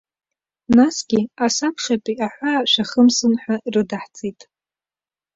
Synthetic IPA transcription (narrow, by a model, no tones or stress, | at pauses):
nasɡʲiasakʰχʲapʼiʔaħʷaʃʷᶣaχəmsɨnħarɨdaħt͡sʼitʼ